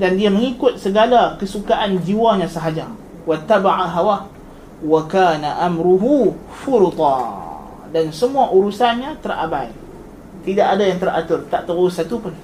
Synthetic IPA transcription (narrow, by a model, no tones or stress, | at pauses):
dandiaməŋikʊt̪̚səɡalakəsukaʔand͡ʒiwaɲãsəɦad͡ʒa | wat̪ːabaʕaɦawa | wakaːnaʔamɾuɦu | fʊɾt̪ɑ̰ | dansəmuaʔuɾusanɲãt̪əra̰baji | t̪idaʔadajaŋt̪ərat̪ʊrt̪aʔt̪əuɾʊsat̪upʊn